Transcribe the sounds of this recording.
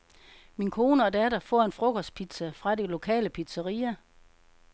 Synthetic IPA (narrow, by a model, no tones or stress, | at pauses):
minkʰo̝ːnəɒ̽d̥æɾɐfɒ̰e̝nfʁɔ̽ɡ̥ʰɒspʰid̥sæfʁɑ̈de̝lo̝kʰɛ̰ːləpʰid̥sɐʁḭːɐ